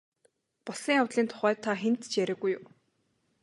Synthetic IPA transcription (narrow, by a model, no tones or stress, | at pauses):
pɔɮsĭŋawt̪ɮiːnt̪ʰʊ̥χæːt̪ʰːaxent̪t͡ɕjæɾʲə̆ɣujʊw